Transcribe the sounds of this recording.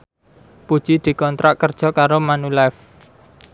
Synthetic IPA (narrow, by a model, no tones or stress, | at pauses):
pud̥ʒ̥id̪̥i̤kɔnt̪ɾaʔkərd̥ʒ̥ɔ̤kaɾomanulɛf